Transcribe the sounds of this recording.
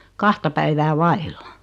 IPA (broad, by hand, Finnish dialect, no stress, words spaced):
kɑhtɑ pæiʋæː ʋɑilːɑ